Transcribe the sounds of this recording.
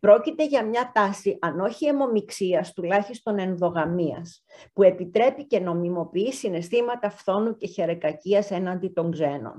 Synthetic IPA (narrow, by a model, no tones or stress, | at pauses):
pɾo̞cit̪e̞ʝɐmɲɐt̪ɐsiʔɐno̞çiemo̞miksiɐst̪ulɐçist̪o̞ne̞nðo̞ɣɐmiɐ̰s | pue̞pit̪ɾe̞pice̞no̞mimo̞piisine̞st̪imɐt̪ɐfθo̞nuce̞çe̞ɾekɐciɐse̞nɐnd̪it̪o̞ŋɡze̞no̞̰n